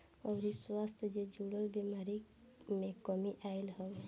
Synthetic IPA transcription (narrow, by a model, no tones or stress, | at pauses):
ɔːɾiswast̪ʰd͡ʒed͡ʒuɽəlbemaɾi | mẽkɔmiʔailɦə